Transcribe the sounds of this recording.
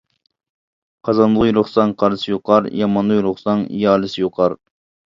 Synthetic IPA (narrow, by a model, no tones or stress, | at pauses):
qʰɑzɑnlˠəʁjuɾʊχsɑŋqʰɑɾɨsɨjoqʰɑɾjɑmɑnlˠjuɾʊχsɑŋ̰jɑːlˠɨsɨjoqʰɑɾ